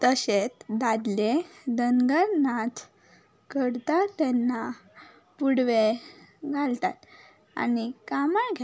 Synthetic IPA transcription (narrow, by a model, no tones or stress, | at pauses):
t̪əɕet̪d̪ad̪led̪ənɡəɾnat̪ | kəɽt̪at̪ːɛnːa | puɽʋeɡʱalt̪at̪ | a̰nikamaɳɡʱe